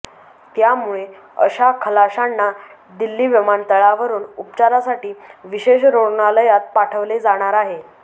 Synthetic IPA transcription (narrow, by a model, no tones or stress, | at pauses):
t̪jamuɭe | ə̰ɕakʰəlaɕanːa | d̪ilːiːʋimant̪əɭaʋəɾuːnupt͡ɕaɾasaʈiːʋiɕeɕɾoɾɳaləjat̪̚paʈʰəʋled͡zaɽ̃aɾaɦe